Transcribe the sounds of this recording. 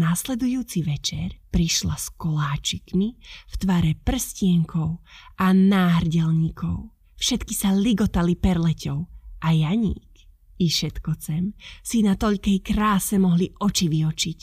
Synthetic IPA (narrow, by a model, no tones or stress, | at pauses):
naːslɛd̪ujuːt͡siʋɛt͡ʃɛɾpɾiʃlaskɔlaːt͡ʃikmift̪ʋaːɾɛpr̩scɪɛŋkʰɔʊʔanaːɦrɟɛlɲikʰɔʊ | fʃɛt̪kisaliɡɔt̪alipɛɾlɛcɔʊʔajaɲḭːk | iʃɛt̪kɔt͡sɛmsinat̪ɔʎkɛjkɾaːsɛmɔɦliʔɔt͡ʃiʋiɔt͡ʃic